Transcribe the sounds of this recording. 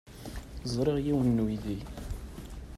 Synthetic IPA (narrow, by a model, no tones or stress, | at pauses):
zˤɾˤeʁjiwənːwiði